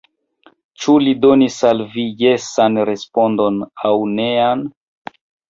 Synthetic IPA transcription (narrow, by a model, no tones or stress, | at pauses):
t͡ʃulidonisalvijesanɾe̞spo̞ndo̞nawnean